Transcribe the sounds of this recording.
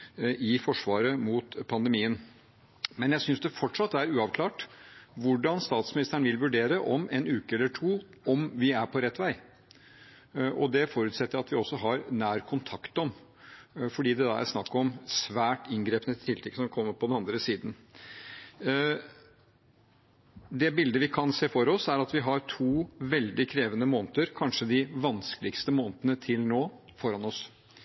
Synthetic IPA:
ʔɪfɔʂʋɑːɾəmuːt̪pʰɑnd̪əmiːən | mɛnjæɪsʏnsd̪ɛfɔʈʂɑt̪ːæɾʉːɑʋkʰlɑːʈʋʊɖɑnst̪ɑːt̪smɪnɪst̪əɳ̩ʋɪlʋʉɖeːɾəʔɔmeːnʉːkəɛlːəʈʰuː | ɔmʋɪæɾpʰɔɾɛt̪ːʋæɪ | ʔɔd̪ɛfɔɾʉːt̪sɛt̪ːəɾɑt̪ʋɪɔsːɔɦɑɾnæːɾkʰʊnt̪ʰɑkt̪ɔm | fɔɖiːd̪ɛd̪ɑ̰æ̰snɑkːɔmsʋæːʈɪnɡɾeːpənət̪t̪ʰɪlt̪ʰɛkːsɔmkʰɔmːəɾpʰɔd̪ɛnɑnd̪ɾəsiːd̪n̩ | d̪ɛbɪld̪əʋɪkʰɑnseːfɔɾɔsæɾɑt̪ʋɪɦɑɾʈʰuːʋɛld̪ɪkʰɾeːʋənəmoːnt̪əɾkʰɑnʂəd̪ɪʋɑnskəlɪɡst̪əmoːnət̪ənət̪ʰɪlnoːfɔɾɑnɔs

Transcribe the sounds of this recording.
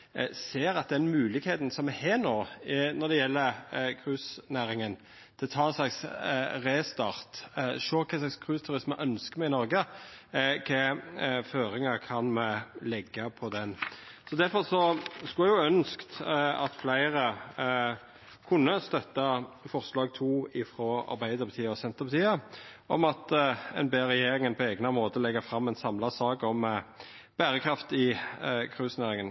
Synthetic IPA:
seːɾɑt̪̚d̪ɛnmʉːlɪɡheːt̪n̩sɔmɛheːnoːnɔd̪ɛjɛlːəɾkʰɾʉːsnæːɾɪŋən | t̪ʰɪlɔt̪ʰɑːɛnslɑksɾeːst̪ɑʁt̪ʃøːkʰɛːslɑkskʰɾʉːst̪ʰʉɾɪsməʔœnskəmɛɪnɔɾɡə | kʰɛføːɾɪŋɑɾkʰɑnmɛlɛɡːəpʰɔd̪ɛnsɔd̪æɾfɔɾsɔskʉlɛɡjʊœnskt̪ɑt̪flæɪɾə | kʰʊnːəst̪œt̪ːɑfɔɾslɑːɡt̪ʰuːɪfɾɔɑ̰ɾbæɪd̪əɾpɑt̪ʰiːəɔsɛnt̪əʁbɑt̪ʰiːəʔɔmɑt̪ɛ̰nbeːʁɛjeːɾɪŋənpʰɔɛɡnɑmoːt̪əlɛɡːəɾfɾɑmːɛnsɑmlɑsɑːɡɔm | b̥æːɾəkʰɾɑft̪ɪkʰʁʉːsnæːɾɪŋən

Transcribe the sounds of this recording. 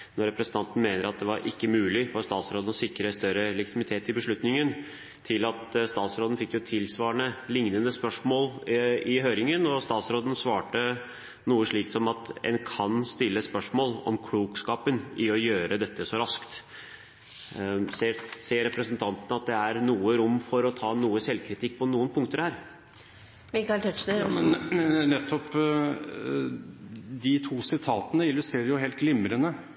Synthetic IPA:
nɔɾɛpɾəsnt̪ʰɑnt̪n̩meːnəɾɑt̪̚d̪ɛʋɑɾʔɪkːəmʉːlɪfɔɾst̪ɑːt̪sɾoːd̪nɔsɪkːɾəst̪œɾəlɛɡɪt̪ʰɪmɪt̪ʰeːt̪ɪlbəʂɭʉt̪nɪŋən | t̪ʰɪlɑt̪st̪ɑːt̪sɾoːd̪ən̩fɪkːjʊt̪ʰɪlsʋɑːɾəɳəlɪŋnənəspœʂmoːlɪɦøːɾɪŋənɔst̪ɑːt̪sɾoːd̪ən̩sʋɑːʈə | nuːəʂɭiːk̪sɔmɑt̪ɛ̰nkʰɑnst̪ɪlːəspœʂmoːlɔ̰mkʰluːkskɑːpənɪɔjøːɾəd̪ɛt̪ːəsɔɾɑskt̪ | seseːɾɛpɾəsənt̪ʰɑnt̪ənəɑt̪̚d̪ɛæɾnuːəɾʊmːfɔɾɔt̪ʰɑːnuːəsɛlːkʰɾɪt̪ʰɪkːpʰɔnuːənpʰʊŋkt̪əɾhæːɾ | mɪkɑɪlt̪ʰœʂnəɛnnɛt̪ʰːɔp | d̪ɪt̪ʰuːsɪt̪ʰɑːt̪ənəɪlːʉst̪ɾeːɾəjʊheːlt̪̚ɡlɪmɾənə

